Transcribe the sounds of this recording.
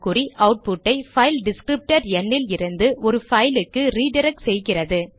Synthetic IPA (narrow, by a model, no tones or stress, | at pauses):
kʊriʔɐʊʈ̚pʊʈːɐɪfɐɪlɖɪskɾɪp̚ʈɐɾɛɳːɪlɪɾɯnd̪ɯʔɔɾɯfɐɪlɯkːɯɾiːɖɪɾɛk̚ʈsɛjɣɪrɐðɯ